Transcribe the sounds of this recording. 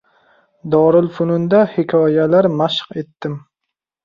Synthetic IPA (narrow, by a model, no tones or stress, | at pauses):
d̪ɒɾɪlfʊnʊnd̪ahɪkʲʰɒjalaɾmaʃqe̞t̪ːɪm